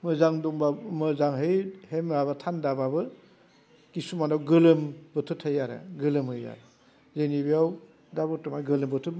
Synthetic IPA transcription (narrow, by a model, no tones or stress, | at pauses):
mɯzaŋduŋbamɯzaŋɦɯjhemɾaβatʰandababɯ | kisumanawɡɯlɯmbɯtʰuthɯjaɾɯ̰ɡɯlɯmhɯja̰ɾɯ | zenibiaw | dabɔtɯmajɡɯlɯmbɔtʰut̚